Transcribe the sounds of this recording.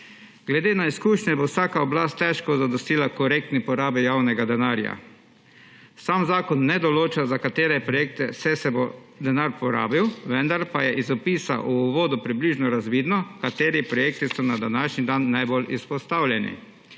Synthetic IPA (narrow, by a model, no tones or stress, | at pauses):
ɡlɛd̪eːnaiskuːʃɲɛbowsaːkaɔblaːst̪ːɛʃkɔzad̪ɔst̪iːlakɔɾek̚t̪nipɔɾaːbijaːwnɛɡad̪ɛnaːɾja̰ | samzaːkɔnːɛd̪ɔloːt͡ʃazakat̪eːɾɛpɾɔjeːk̚t̪ɛsɛsɛbo | d̪ɛnaɾpɔɾa̰ːbiwʋɛnd̪aɾpajɛʔizɔpiːsa̰ʔuʋoːd̪upɾibliːʒnɔɾazʋiːd̪nɔkat̪eːɾipɾɔjeːk̚t̪isɔnad̪anaʃnid̪anːajbolispɔst̪awljɛnḭ